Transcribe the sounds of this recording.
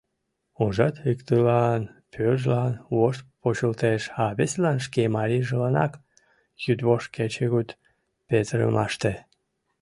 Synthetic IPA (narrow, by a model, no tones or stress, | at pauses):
uʒɑt̪ikt̪ɨlɑnpʰørʒlɑnwoʃt̪̚pot͡ɕəlt̪eʃɑβeslɑnʃ̬kemɑɾiʒəlɑnɑk | jyd̪βoʃket͡ɕeɣut̪ | pet̪ɾə̰mɑʃt̪e